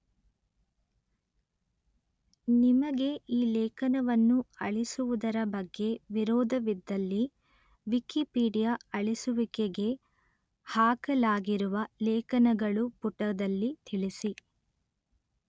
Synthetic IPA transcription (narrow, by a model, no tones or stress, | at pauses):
nimɐɡe̞ʔiːlɛːkɐnɐʋɐnːuɐɭisuʋud̪ɐɾɐbɐɡːe̞ʋiɾɔːd̪ʱɐʋid̪ːɐlːi | ʋikipiːɖijaɐɭisuʋikeɡe̞ | haːkɐlaːɡiɾuʋɐlɛːkɐnɐɡɐɭupuʈɐd̪ɐlːit̪ʰiɭisi